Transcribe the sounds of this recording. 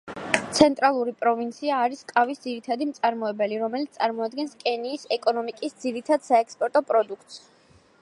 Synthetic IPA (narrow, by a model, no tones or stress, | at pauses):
t̪sʰɛnt̪ʼɾalˠuɾipʼɾɔvint̪sʰiaːɾiskʼavisd̪ziɾit̪ʰad̪imt̪sʼaɾmɔɛbɛliɾɔmɛlit̪sʼaɾmɔad̪̚ɡɛnskʼɛniːsɛkʼɔnɔmikʼisd̪ziɾit̪ʰad̪saɛkspʼɔɾt̪ʼɔpʼɾɔd̪uk̚ʰt̪ʼs